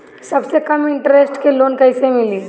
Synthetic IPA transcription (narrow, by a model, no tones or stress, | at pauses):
sɐbsekɐmɪ̃ɳʈɾesʈkeloːnkɐɪsemɪliː